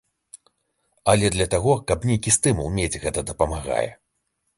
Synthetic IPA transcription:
ɐlʲɛd̪lʲɐt̪aɣɔkɐpnʲejkʲist̪ɨmṵlˠmʲed͡zʲɣɛt̪ɐd̪ɐpɐmaɣa̰jɛ̰

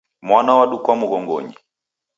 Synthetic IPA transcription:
mwanawaɗukwamuɣɔŋɡɔ̰ɲi

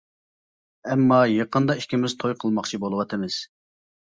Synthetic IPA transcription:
ɛmːɑjeqənd̪ɑiʃkʲimɪz̥t̪ʰojqʰəlˠmɑχt͡ʃʰibolˠəwɑt̪ʰɨmɨz̥

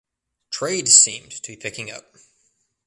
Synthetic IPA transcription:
tʰɹ̥eɪdsḭ̃mtʰəbipʰɪkɪ̃ŋʌ̰p̚

